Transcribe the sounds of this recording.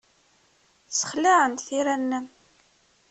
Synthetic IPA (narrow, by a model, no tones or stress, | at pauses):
t͡sːə̥χlaʕənt̪θiɾænːən